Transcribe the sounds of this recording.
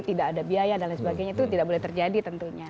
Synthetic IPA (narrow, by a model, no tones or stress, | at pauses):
t̪idakːdabiajadalasəbaɡajɲat̪ut̪idak̚bolɛht̪ərd͡ʒadit̪ənt̪uɲa